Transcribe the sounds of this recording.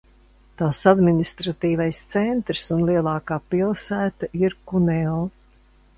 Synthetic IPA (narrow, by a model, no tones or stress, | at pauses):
t̪aːsad̪minist̪ɾat̪iːvajst̪sɛnt̪ɾsunlˠiɛlˠɑːkaːpilˠsæːt̪aiɾkunɛɔ